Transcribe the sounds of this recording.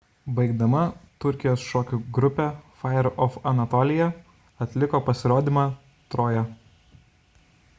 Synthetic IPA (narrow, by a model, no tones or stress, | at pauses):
bɐɪɡd̪ɐmɐt̪ʊɾʲˑkʲɪjoːsʃɔːkʲuɡɾʊpʲɛfɑjɛɾʔɔfɐnɐt̪ɔːlʲɪjɛ | ɐt̪ʲlʲɪkoːpɐsʲɪɾoːd̪ʲiːmɑː | t̪ɾoːjɛ